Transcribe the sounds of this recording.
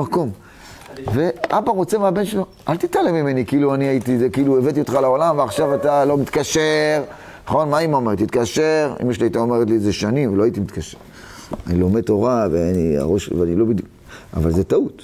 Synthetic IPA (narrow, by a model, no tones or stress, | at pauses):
ako̞m | ve̞ʔabaʁo̞t͡semeabe̞nʃelo̞ʔalt̪it̪alemime̞nikiiluaniait̪izekiiluevet̪̬io̞t̪χalao̞lamveaχʃavat̪alo̞mit̪kaʃeʁ | naχo̞nmaimomeʁt̪it̪kaʃeʁḭmjeʃ̬liait̪aomeʁet̪lizeʃanimveloait̪imit̪kaʃeʁ | anilo̞med̚to̞ʁaveania̰ʁo̞ʃveanilo̞bid̪ju | a̰valzetaut